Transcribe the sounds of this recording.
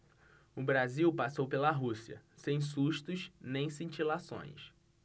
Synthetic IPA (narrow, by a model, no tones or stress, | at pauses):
ʊbɾaziwpasowpelɐɦusiɐ̰sẽj̃s̬uʃt̪ʊʃnẽj̃sĩnt͡ʃilasõ̰j̃s